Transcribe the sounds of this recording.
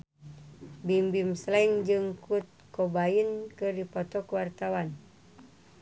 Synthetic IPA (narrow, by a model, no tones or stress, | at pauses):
bimbimslɛŋd͡ʒɨŋkut̪̚kobainkɨrdipɔt̪ɔkuwart̪awan